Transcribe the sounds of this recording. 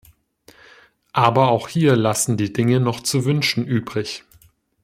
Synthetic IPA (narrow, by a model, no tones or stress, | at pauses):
ʔaːbɐaʊxhiːɐlasn̩diːdɪŋənɔχt͡suvʏnʃn̩ʔyːbʁɪç